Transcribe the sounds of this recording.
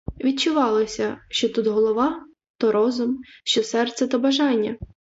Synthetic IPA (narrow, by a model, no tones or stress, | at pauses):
ʋʲid̚t͡ʃʊʋɑlˠɔsʲɐʃt͡ʃɔt̪ut̪ɦɔlˠɔʋɑ | t̪ɔɾɔzʊmʃt͡ʃɔsɛrt̪sɛt̪ɐbɐʒɑnʲːɐ